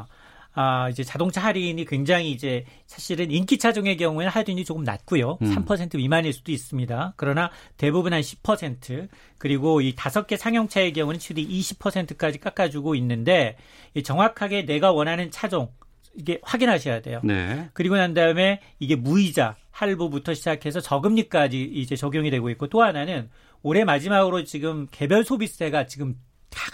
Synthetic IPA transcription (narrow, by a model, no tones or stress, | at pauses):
aid͡ʑe̞t͡ɕadoŋt͡ɕʰaɦaɾiːnikwe̞ŋd͡ʑaŋiːd͡ʑe̞ | sʰaɕʰiɾɯnink͈it͡ɕʰad͡ʑoŋe̞kjʌŋuenhaɭduiɲd͡ʑit͡ɕoɡɯmna̰t̚k͈ujosʰampʰʌsʰe̞ntʰɯimaniɭs͈ud̥ois͈ɯmɲidakɯɾʌnate̞bubunɦanɕʰi̥pʰʌsʰe̞ntʰɯ | kɯɾiɡoitasʰʌk͈e̞sʰaŋjʌŋt͡ɕʰae̞k̬jʌŋunɯnt͡ɕʰiudiʔiɕʰi̥pʰʌsʰe̞ntʰɯ̥k͈ad͡ʑik͈ak͈ad͡ʑuɡoinːɯnde̞ | it͡ɕʌŋwakʰaɡe̞ne̞ɡawʌnɦanɯnt͡ɕʰad͡ʑoŋ | iɡe̞ɸwaɡinɦaɕʰʌjade̞̰jonḛkɯɾiɡonandaɯme̞ | iɡe̞muid͡ʑa | haɭbubutʰʌɕʰid͡ʑakʰe̞sʰʌt͡ɕʌɡɯmɲik͈ad͡ʑiːd͡ʑe̞t͡ɕʌɡjoŋidwe̞ɡoik͈ot͈oɦananɯn | oɾe̞mad͡ʑimaɡɯɾot͡ɕiɡɯmke̞bjʌɭsʰobise̞ɡat͡ɕiɡɯm | tḁ